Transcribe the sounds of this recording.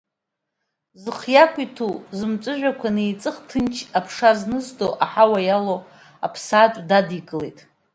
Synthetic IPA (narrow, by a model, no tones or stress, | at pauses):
zɨχjakʷʰʼitʰuzɨmt͡ʃʷʼɨʒʷᶣakʷʰanɨit͡sʼɨχtʰɨnt͡ʃʰapʰʂaznɨzdoʔaħawajalo | apʰsaːt͡ʃʷʼdadikʼɨlḛjtʼ